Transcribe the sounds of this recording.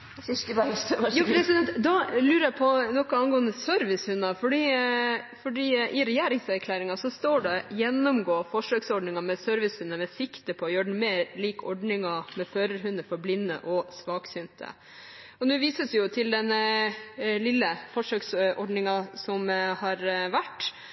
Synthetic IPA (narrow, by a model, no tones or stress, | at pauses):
juːpʰɾɛsɪd̪ɛnt̪d̪ɑlʉːɾəjæpʰɔnɔkːɔɑnɡoːənəsœɾʋɪshʉnːɑfɔɖiːfɔɖiːʔɪɾɛjæːɾɪŋsæɾkʰlæːɾɪŋɑsɔst̪oːɖɛjɛnːɔmɡoːfɔʂøːksɔɖɳɪŋɑmɛsœɾʋɪshʉnːəmɛsɪkt̪əpʰɔːjøːɖɛn̩meːɾliːkɔ̰ɖɳɪŋɑmɛføːɾəɾɦʉnːəfɔɾblɪnːə̰ʔɔsʋɑːksʏnt̪ʰə̰ | ɔnʉːʋiːsəsɛjʊt̪ʰɪld̪ɛn | lɪlːəfɔʂøːksʔɔɖɳɪŋɑsɔmhɑɾʋæʈː